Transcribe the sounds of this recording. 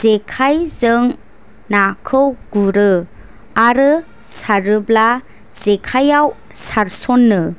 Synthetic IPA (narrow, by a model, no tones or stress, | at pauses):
z̥ekʰajzɯŋ | nakʰɯwɡ̥uɾɯ | aɾɯ | saɾɯbla | z̥ekʰajaw | saɾsɔnːɯ